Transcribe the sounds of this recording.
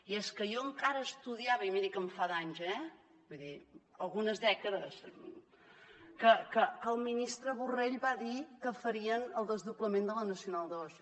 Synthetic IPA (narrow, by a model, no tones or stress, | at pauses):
ieskəjɔəŋkaɾəːst̪uðiaβəimeðikəɱfaðaɲzɛ | buðiəlˠɣunəzðɛkəðəs | kəkəkəːlˠminist̪ɾəβureʎbaðikəfəɾiənəlˠd̪əzðupləmend̪ələnəsiunalˠd̪əɔs